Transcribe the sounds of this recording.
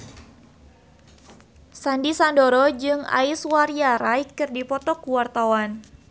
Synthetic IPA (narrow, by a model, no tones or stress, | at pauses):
sandisandoɾɔd͡ʒɨŋa̰iswaɾjaɾajkɨrdipɔt̪ɔkuwart̪awan